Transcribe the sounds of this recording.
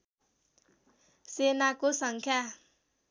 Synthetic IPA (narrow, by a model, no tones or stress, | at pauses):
senakosaŋkʰa